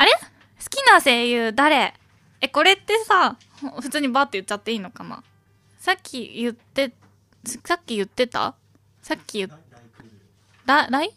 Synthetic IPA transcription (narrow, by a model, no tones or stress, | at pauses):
aɾe̞ | sɨ̥kʲinase̞ːjɯ̟d̪aɾe̞ | eko̞ɾe̞t̪ːe̞sa | hõɸɯ̟̥t͡sɨːɲ̟ibaːt̪ːojɯ̟tt͡ɕːat̪ːe̞iːno̞kana̰ | sakʲʰːḭjɯ̟t̪ːe̞ | ssakʲːijɯ̟t̪ːe̞t̪a̰ | sakʲːijɯ̟ | d̪ad̪ai